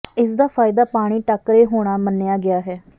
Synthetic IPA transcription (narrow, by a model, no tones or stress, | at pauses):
ɪsd̪aːpʰaːɪd̪aːpaːɽ̃iːʈəkɾeːɦoːɽ̃aːmənːejaːɡɪaːɦɛː